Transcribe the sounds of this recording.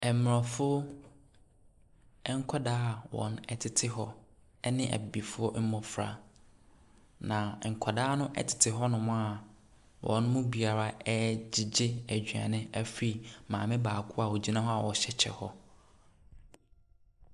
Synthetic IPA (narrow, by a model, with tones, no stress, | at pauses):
ɛ˨˦m˨ɾɔ̃˨fʊ˦ | ɛ˦ŋ̩˦kʷʰɔ˦daː˦˨wɔ̰̃˨nɛ˦tʰɪ˦tʰɪ˦ɦɔ˦ | ɛ˦nɪ̃˦ʔæ̰˨bi˨fʊ˦ɔ˦m̩˦mɔ̃˨fɾa̰˨ | nã˨ŋ̩˨kʰɔ˨daː˦nʊ̃˦ʔɛ̰˦tʰɪ̥˨tʰɪ˨ɦɔ˦nʊ̃˨mʊ̃˦a˨ | wʔɔ̰̃˨n˦mʊ̃˦bi˨a˨ɾa˦ɛ˦d͡ʑɪ˨d͡ʑɪ˦æ˨d͡ʑᶣɥã̰˨nɪ̃˦æ˦fi˦mãː˨mɪ̃˦baː˨kʰʊ˦a˨wɔ˨d͡ʑi˦nã˦ɦɔ˦a˨wɔ˨ɕɛ˦t͡ɕʰɛ̰˨hɔ˦